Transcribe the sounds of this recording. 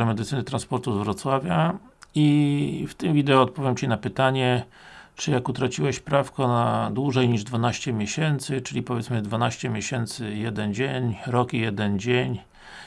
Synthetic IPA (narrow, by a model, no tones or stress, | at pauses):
ɛmɛd̪ɘt̪sɘnɘt̪ɾanspɔɾt̪uzvɾɔt̪swavʲjaift̪ɘmvʲid̪ɛɔɔt̪̚pɔvʲjamt͡ɕinapɘt̪aɲɛ | t͡ʂɘjakut̪ɾat͡ɕiwɛɕpɾafkɔnad̪wuʐɛjɲiʐd̪vanaɕt͡ɕɛmʲjeɕɛnt̪sɘt͡ʂɘlʲipɔvʲjɛt̪smɘd̪vanaɕt͡ɕɛmʲjeɕɛnt̪sɘjɛd̪ɛnd͡ʑeɲɾɔkijɛd̪ɛnd͡ʑeɲ